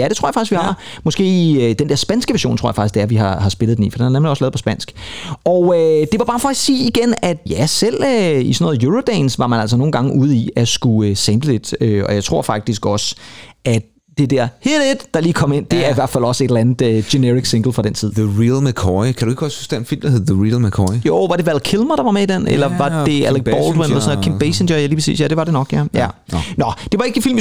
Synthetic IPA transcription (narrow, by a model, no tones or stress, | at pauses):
jæɾe̝t͡sʰo̰ɐjɑfɑ̈ɡ̥isɡʋihɑ̈mɒ̽sɡ̥e̝̰ːid̥end̥eɐ̰sb̥ænsɡ̥əʋæɐɕo̰ːnt͡sʰʁo̰jfɑ̈ɡ̥isɡ̥d̥e̝æɐʋihɑ̈hɑ̈sb̥e̝lðˠd̥enḭːfɒd̥enɑnemliɒ̽slɛːpʰɒ̽sb̥æn̰sɡ̥ɒʊød̥e̝ʋɑ̈b̥ɑ̈ːfɒ̥siːiɡ̥enæd̥jæsel̰isɒnɔ̽ːð̩ˠjuʁod̥ɛːnsʋɑ̈mænæl̰s̬ɒno̝ːn̩ɡ̥ɑ̈ŋəʔuð̞̩̰ˠiæsɡ̥uøsemb̥led̥øɒ̽jɑ̈ɪt͡sʰʁo̝ɐ̰fɑ̈ɡ̥̚d̥isɡ̥ɒ̽sʔæd̥ | d̥e̝d̥eɐ̰heded̥d̥ɑ̈liːkʰɒ̽me̝n̰d̥e̝æɐiʋæɐ̰̥fæl̰ɒ̽səe̝ɾ̥l̩ænð̩ˠøɡ̥e̝neʁiɡ̥si̝ŋɡ̥l̩ˠfʁɑdɾ̥ent͡sʰið̰ˠəʁilmekʰɔikʰɾ̥ue̝ɡ̥ɒshusd̥ennfil̰md̥ɐhe̝ð̩ˠðəʁilˠmækʰɔijoːʋɑ̈ɾ̥e̝ʋælkʰelmɐɾ̥ɑ̈ʋɑ̈meid̥en̰elɐʋɑ̥̈e̝æleɡ̥̚b̥ɒld̥wenelɐsɔ̽nɔ̰kʰemb̥esend͡ʒɐjæliːpʰe̥sḭːsjæd̥e̝ʋɑ̈ɾ̥e̝nɒ̽ɡ̥jæjæ | nɒd̥e̝ʋɑ̈e̝ɡ̥əfil̰m